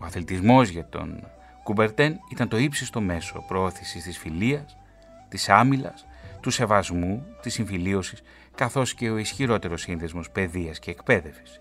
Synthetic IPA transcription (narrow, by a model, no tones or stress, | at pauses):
oɐθlit̪izmo̞zʝɐt̪o̞̰n | kube̞ɾt̪enit̪ɐnt̪o̞ipsist̪o̞me̞so̞̰pɾo̞o̞θisist̪isfiliɐs | t̪isɐmilɐ̰s | t̪use̞vɐzmut̪isiɱfilio̞sis | kɐθo̞sce̞o̞isçiɾo̞t̪e̞ɾo̞sːinðezmo̞spe̞ðiɐsce̞ːkpe̞ðe̞fsi̥s